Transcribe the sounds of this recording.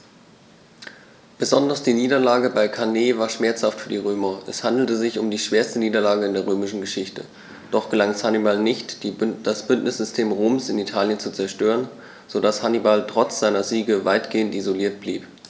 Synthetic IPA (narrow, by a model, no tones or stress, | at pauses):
b̥əzɔndɐsd̥iːniːdɐlaːɡəbaɪkʰaneːvaːɐʃmɛɐt͡shaftfyːɐdiːʁ̞øːmɐʔɛshandl̩təzɪçʊmdiːʃv̥eːɐstəniːdɐlaːɡəɪndeːɐʁøːmɪʃn̩ɡəʃɪçtə̰ | d̥ɔχɡ̥əlaŋɛshanibalnɪçtd̥asb̥ʏntnɪsz̥ʏstʰeːmʁoːmsɪnitʰaːljənt͡sut͡sɛɐʃtøːʁən | z̥odashanibaltʁ̥ɔt͡sz̥aɪnɐziːɡəvaɪtɡ̥eːəntizoliːɐt̚b̥liːp